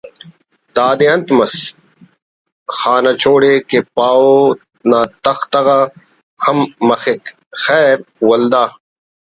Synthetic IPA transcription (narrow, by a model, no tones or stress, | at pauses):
d̪aːd̪eɐ̃nt̪mɐs | xaːnɐt͡ɕoːɽekepaːo | naːt̪ɐxt̪ɐɣa | hɐmːɐxek | xɛːɾwɐld̪aː